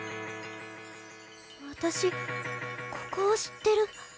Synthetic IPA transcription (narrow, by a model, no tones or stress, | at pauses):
βat̪aɕi | kʰo̥koːɕi̥t̪ːe̞ɾɯ̟